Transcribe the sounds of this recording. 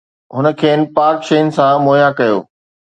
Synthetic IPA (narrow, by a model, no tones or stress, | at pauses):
ɦʊnə̆kʰeːnɪ̆paːkʃeːjɪnɪ̆sãmoːjãkɐjo̰ː